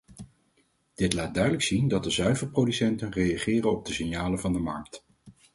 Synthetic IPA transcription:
d̥ɪtlaːt̚dœɥdələksindɑt̚dəzœɥvəɹprodysɛntənrejɑχɪːrənɔb̚dəsɪnjaːləvɑndəmɑ̰ɹk̚t

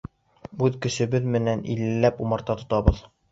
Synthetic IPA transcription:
ʉðkɵ̆ʃɘ̆bɘðmɘ̆nænʔḭlːɘlːæpumɑ̆ɾt̪ɑt̪ŏt̪ɑβɤð

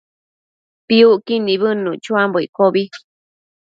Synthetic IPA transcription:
piuʔkinĩβɨnũt͡ʃuamboikoβi

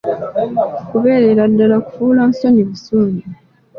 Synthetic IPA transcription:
kuβe̞ːɾeɾadːalaku̥fuːlansoniβisuːɲu

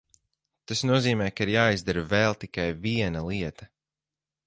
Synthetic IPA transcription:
t̪asnuɔziːmɛːkaiɾjaːizd̪aɾvɛlˠt̪ikajviɛnɐlˠiɛt̪ɐ

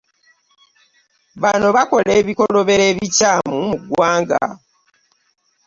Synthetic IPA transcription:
βano̞βako̞leːβiko̞lo̞βe̞ɾe̞ːβicamumuɡwaːŋɡa̰

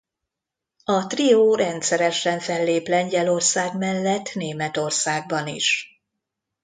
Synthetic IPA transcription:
ɒt̪rioːɾɛnt̪sɛɾɛʃɛɱfɛlːeːplɛɲɟɛlo̞rsaːɡmɛlːɛt̪ːneːmɛt̪o̞rsaːɡ̚bɒnḭʃ

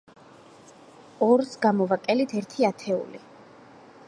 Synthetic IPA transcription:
ɔɾsɡamɔvakʼɛlit̪ʰɛɾt̪ʰiat̪ʰɛṵli

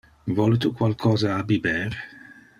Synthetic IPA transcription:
vɔlt̪ukwalkʰɔːzaːbibɛːɾ

